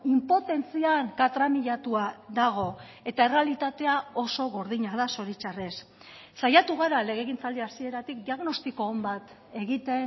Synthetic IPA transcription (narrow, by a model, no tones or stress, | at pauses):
impo̞t̪e̞nt͡siaŋkat̪ɾamiʎat̪uaðaɣ̞o̞ | e̞t̪ae̞re̞alit̪at̪e̞ao̞so̞ɣo̞ɾðiɲað̞aso̞ɾit͡ʃare̞sː | ajat̪uɣ̞aɾale̞ɣ̞e̞ɣint͡sald̪iasie̞ɾat̪ik̚d̪iaɣno̞st̪iko̞ːmbat̪ | e̞ɣ̞it̪e̞n